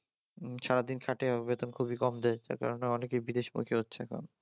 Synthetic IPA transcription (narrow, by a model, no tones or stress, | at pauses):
ʃaɾad̪inkʰaʈebet̪onkʰubikɔmd̪et͡ɕa̰ɾka̰ɾoneɔnekejbid̪eʃmṵkʰeɦotːɕʰeɛ̰kʰo̰n